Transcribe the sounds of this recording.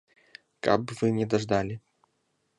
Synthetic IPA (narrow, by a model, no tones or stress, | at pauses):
ka̰bvɨnʲɛd̪aʐd̪alʲi